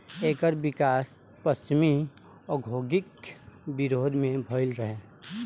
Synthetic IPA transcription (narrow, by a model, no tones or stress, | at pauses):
eːkəɾbɪkaːs | pəst͡ʃɪmi | ɔɡʱoːɡɪkbɪɾoːd̪ʱmẽbʱɔɪlɾəɦeː